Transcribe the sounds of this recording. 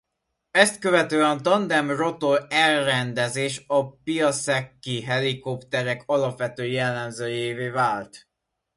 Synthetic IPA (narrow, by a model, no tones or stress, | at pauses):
ɛst̪kø̞vɛt̪øːɛnt̪ɒnd̪ɛmro̞t̪olɛlrɛnd̪ɛzeːʃɒpijɒsɛkːiɦɛlikopt̪ɛɾɛkʰɒlɒpʋɛt̪øːjɛlːɛmzøːjeːveːvaːlt̪